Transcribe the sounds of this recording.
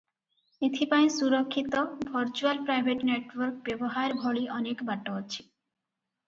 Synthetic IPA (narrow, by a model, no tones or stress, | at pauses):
et̪ʰipaĩsuɾɔkʰːit̪ɔbʱʌɾt͡ʃualpɾajbʱeʈneʈwɔɾkbebɔɦaeɾbʱɔɭiʔɔnekbaʈːɔɔt͡ɕʰi̥